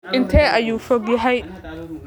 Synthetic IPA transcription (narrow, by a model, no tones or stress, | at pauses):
ʔɪnt̪ʰɛːʔɐjuːfɔɡjɐɦɛj